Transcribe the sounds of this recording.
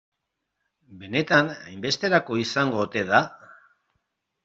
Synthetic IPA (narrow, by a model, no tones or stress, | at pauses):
be̞ne̞t̪ana̰jmbe̞st̪e̞ɾako̞isaŋɡo̞ːt̪e̞ð̞a